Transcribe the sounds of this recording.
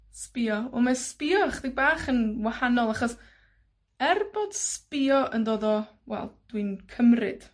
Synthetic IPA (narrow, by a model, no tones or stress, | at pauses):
spɪɔɔmɛspɪɔχdɪɡ̚baːχənwahanɔlˠaχɔs | ɛrbod̥spɪɔʔəndoːðɔwɛ̰lˠd̥winkʰəmrɨ̰d̥